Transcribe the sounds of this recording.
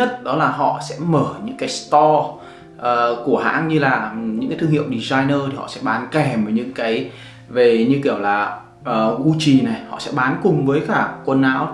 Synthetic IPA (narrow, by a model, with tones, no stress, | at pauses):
ɲə˦˥t̚ɗɔ˨˦laː˨˩ɦɔ̰˧˨sɛ̰˧˥məː˧˩ɲɨ̰˧˥ŋkaː˨˦jst̪ɔ˧ | ʔəː˨˩ku˧˩əɦa̰ː˧˥nɲɨ˧laː˨˩ɲɨ̰˧˥ŋkaː˨˦t̪ʰɨ˧ŋhḭ˧˨wɗi˨˩zaː˧jnəː˧t̪ʰi˨˩hɔ̰˧˨sɛ̰˧˥ɓaː˨˦nkɛ˨˩məː˨˦ɲɨ̰˧˥ŋkaː˨˦j | ve˨˩ɲɨ˧ki˧˩əwlaː˨˩ | ʔəː˨˩ɣu˧t͡ɕi˨˩na˨˩jhɔ̰˧˨sɛ̰˧˥ɓaː˨˦nkʊ˨˩ŋ͡mvəː˨˦jkaː˧˩kwə˧nʔaː˨˧˥w